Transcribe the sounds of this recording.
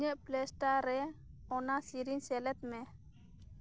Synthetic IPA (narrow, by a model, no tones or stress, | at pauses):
ɲɛʔplɛsʈaɾɛɔnasiɾinsɛlɛt̪̚mɛ